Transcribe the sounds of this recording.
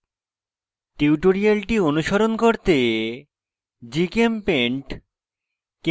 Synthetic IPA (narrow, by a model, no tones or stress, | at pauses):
ʈiuʈoɾialʈionuʃoɾonkoɾt̪e | d͡ʑikempeɳʈ | k